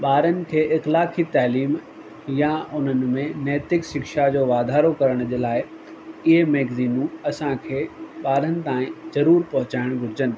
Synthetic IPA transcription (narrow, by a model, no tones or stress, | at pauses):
ɓaːɾənɪ̆kʰeːʔɪxlaːkit̪aːliːm | jãʊn̤ənɪ̆mẽnɛːt̪ɪkʃɪkʃad͡ʑoːʋaːd̪ʱaːɾokɐɾəɽ̃d͡ʑeːlaːɪ | ɪɦemɛːɡziːnũɐsãkʰeːɓaːɾənɪ̆t̪ãːĩzɐɾuːɾpɐɦʊt͡ɕaːɪɽ̃ɡʱʊɾɪd͡ʑənɪ̆